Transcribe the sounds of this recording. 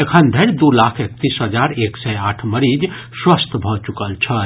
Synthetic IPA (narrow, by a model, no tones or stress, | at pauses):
ekʰənd̪ʱəɾd̪ulakʰek̚t̪isɦəd͡ʒaɾeksɛaʈʰməɾid͡ʒ | swəst̪ʰbʱɔt͡ʃukəlt͡ʃʰə